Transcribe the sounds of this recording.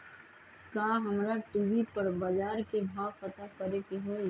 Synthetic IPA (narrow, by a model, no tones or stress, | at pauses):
kaːɦɐmɾaʈiːʋipɐɾbaːd͡ʒaːɾkebʱaːpət̪akɐɾekiɦo